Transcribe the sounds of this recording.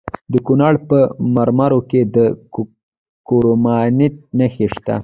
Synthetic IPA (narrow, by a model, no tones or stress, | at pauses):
d̪əkunɑɽpəmaɾmɑɾoked̪ə | koɾomɑnit̪̚nəxeʃt̪a̰